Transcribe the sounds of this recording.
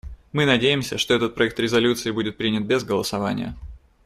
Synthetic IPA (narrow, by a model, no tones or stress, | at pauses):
mɨnɐdʲejɪmsʲəʂt̪oɛt̪ət̪̚pɾɐɛk̚t̪ɾʲɪzɐlʲut̪sɨɪbudʲɪt̪̚pɾʲinʲɪt̪̚bʲezɡəlˠəsɐvanʲɪ̰jə̰